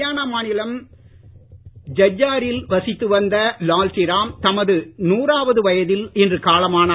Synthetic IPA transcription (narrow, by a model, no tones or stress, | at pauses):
jaːnɐmaːnɪlɐm | d͡ʒɐd͡ʒːaːɾɪlʋɐsɪt̪ːɯʋɐnd̪ɐlaːltɪɾaːmt̪ɐmɐðɯnuːraːʋɐðɯʋɐjɐðɪlɛndrɯkaːlɐmaːnɐ